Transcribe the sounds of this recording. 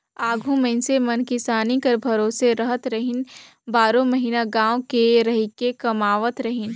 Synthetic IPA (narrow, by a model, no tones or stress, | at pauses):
aːɡʱũmẽnsemɐnkɪsaːnikɐɾbʱɐɾoːseɾɐɦət̪ɾɐɦɪn | baːɾõmɐɦiːnaɡãːwkeɾɐɦɪkekɐmaːʋət̪ɾɐɦɪn